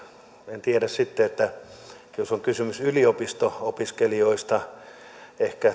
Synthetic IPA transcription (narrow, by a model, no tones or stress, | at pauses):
ent̪ieɾæssit̪ːeet̪ːæ | josoŋkysymysyliopist̪oopiskelioist̪ɑ | ehkæ